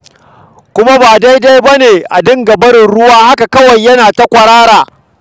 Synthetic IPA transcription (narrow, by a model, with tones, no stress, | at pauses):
kʷʊ˦ma˦baː˨da˦jda˦jbɐ˦neː˨ʔa˨dɪ˦ŋɡɐ˨bɐ˦ɽɪ˨nɽʊ˦waː˦ha˦ka˨kɐ˦wɐ˨jːɐ˦naː˨ta˦kʷɐ˨ɾaː˦ɾaː˨